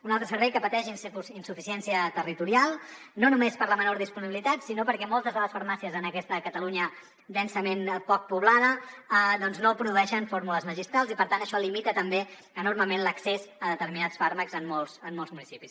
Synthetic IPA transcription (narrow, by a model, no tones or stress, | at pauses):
unalˠt̪ɾəsəɾβɛjkəpət̪ɛʒinsusinsufisiɛnsiət̪ərit̪uɾialˠ | nonumespəɾləmənoɾðispuniβilit̪at̪sinopəɾkɛmɔlˠt̪əzðələsfəɾmasiəzənəkɛst̪əkət̪əluɲə | d̪ɛnsəmenpɔk̚puβlað̞əəd̪ɔnznopɾuðuɛʃənfoɾmuləzməʒist̪ɾalˠzipəɾt̪ant̪əʃɔlimit̪ət̪əmbe | ənorməmenləksezəðət̪əɾminatsfaɾməkzəmːɔlˠsəmːɔlˠzmunisipis